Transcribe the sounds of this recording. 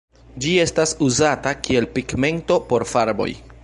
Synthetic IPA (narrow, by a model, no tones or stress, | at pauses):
d͡ʒie̞stasuzatakie̞lpiɡme̞nto̞po̞ɾfaɾbo̰j